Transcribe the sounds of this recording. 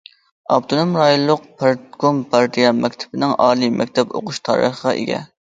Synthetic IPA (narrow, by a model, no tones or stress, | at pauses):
ɑ̰p̚t̪ʰonomɾɑjolˠːʊq̚pʰɑɾt̪ɡompʰɑɾd̪ijɑmɛkʲt̪ʰɪ̥bɪnɪŋɑːlˠimɛkʲt̪ʰɛpo̰qʰʊʃt̪ʰɑ̰ɾə̰χəʁɑʔḛɡʲɛ̰